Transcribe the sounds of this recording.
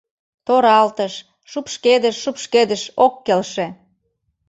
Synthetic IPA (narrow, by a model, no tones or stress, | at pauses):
t̪oɾɑlt̪əʃ | ʃupʃked̪əʃːupʃked̪ə̆ʃokːelʃĕ